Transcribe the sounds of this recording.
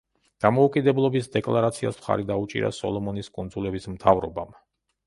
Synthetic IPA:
d̪̥amɔukʼid̪ɛblˠɔbisd̪ɛkʼlˠaɾat̪sʰia̰smχa̰ɾid̪aut͡ʃʼḭɾa̰sɔ̰lˠɔmɔniskʼund̪zulɛbismt̪ʰavɾɔbam

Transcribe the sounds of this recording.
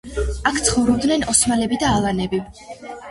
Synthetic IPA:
akʰt̪sʰχɔvɾɔb̚d̪nɛnɔsmalɛbid̪aːlˠanɛbi

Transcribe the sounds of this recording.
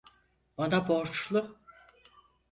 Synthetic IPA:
banaboɾt͡ʃlˠʊ

